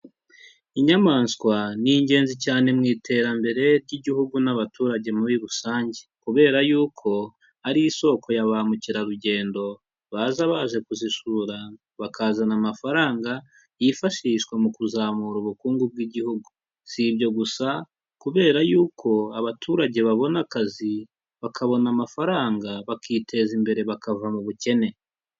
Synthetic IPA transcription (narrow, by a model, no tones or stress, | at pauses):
iɲamaːnskwaniɲɟe̞ːnzicaːne̞mŋiːtʰe̞ːɾambe̞ɾe̞ɾɟiɟihuɡunaβatuːɾaɟe̞muβiɾusaːɲɟe̞̥kuβe̞ːɾajuːkʰo̞ | haɾiiso̞kʰo̞jaβamuciɾaɾuɟe̞ːndo̞ | βazaβaʒe̞kuziʃuɾa | βakazanamafaɾaːŋɡa | jifaʃiʃkwemukuzamuɾuβukuːŋɡub̚ɡiːɟihuɡu | siβɟo̞ɡusa | kuβe̞ːɾajuːkʰo̞aβatʰuːɾaɟe̞βaβo̞nakazi | βakʰaβo̞namafaɾaːŋɡaβakʰiːtʰe̞zimbe̞ɾe̞βakavamuβuce̞ne̞